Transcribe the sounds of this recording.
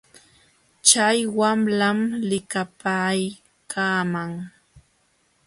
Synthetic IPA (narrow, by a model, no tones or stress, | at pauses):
t͡ʃajwamlamlɪkapaj | kʰaːmaŋ